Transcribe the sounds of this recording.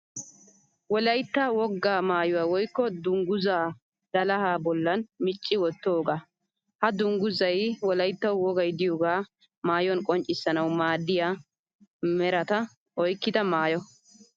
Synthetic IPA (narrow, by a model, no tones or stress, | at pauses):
wɔlɐjt̪ːɐwɔɡːaːmaːjʊwaːwɔjkːɔd̪ʊŋɡʊzaː | d̪̥ɐlɐhaːbɔlːɐnmɪt͡ʃʼːɪwɔt̪ːoːɡaː | hɐd̪ʊŋɡʊzɐjwɔlɐjt̪ːɐwwɔɡɐjd̪ɪjɔːɡaː | maːjɔnkʼɔnt͡ʃʼːɪsːɐnɐwmaːd̪ːɪja | mɛɾɐt̪ɐ | ɔjkːɪd̪ɐmaːjɔ